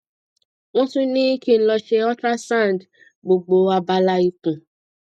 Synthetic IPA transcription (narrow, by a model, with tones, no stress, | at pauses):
w̃ɔ̃˦tũ˦nĩ˦ki˦˨n̩˦lɔ˧ʃe˧ɔ˦tɾa˦sã˦˨n˨d | ɡ͡bo˨ɡ͡bo˨˦a˧ba˦la˦i˦kũ˨